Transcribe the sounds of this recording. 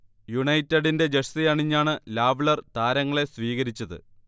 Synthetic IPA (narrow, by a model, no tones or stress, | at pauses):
juɳɐjtːɐɽinde̞d͡ʑeʂsijɐɳiɲːaːɳɨlaːʋɭɐrt̪aːɾɐŋːɐɭe̞sʋiːɣɐɾit͡ɕːɐðɨ̰